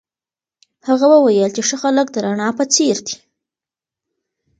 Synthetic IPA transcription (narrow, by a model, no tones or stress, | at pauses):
haɣawəwajəlt͡ʃeʂəxalək̚d̪əɾaɳɑpət͡seɾd̪i̥